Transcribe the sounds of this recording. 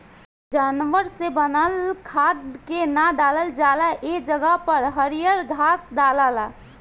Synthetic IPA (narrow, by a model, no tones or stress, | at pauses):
d͡ʒaːnʋəɾsebənəlkʰad̪kenad̪aːləld͡ʒalaʔed͡ʒəɡəɦpəɾɦəɾijəɾɡʱaːsd̪alala